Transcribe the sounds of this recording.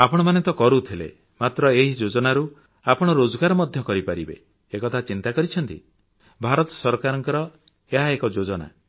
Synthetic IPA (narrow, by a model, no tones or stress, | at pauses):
apɔɽ̃ɔmanet̪ɔkɔɾut̪ʰilḛ | mat̪ɾɔeɦid͡ʒod͡ʒɔnaɾu | apɔɽ̃ɔɾod͡ʒɔɡaɾɔmɔd̪ʱjɔkɔɾipaɾibḛː | kɔt̪ʰat͡ʃint̪akɔɾit͡ʃʰɔnt̪ḭ | bʱaɾɔt̪ɔ̥sɔɾkaɾɔŋkɔɾɔ | eɦaekɔd͡ʒod͡ʒɔna̰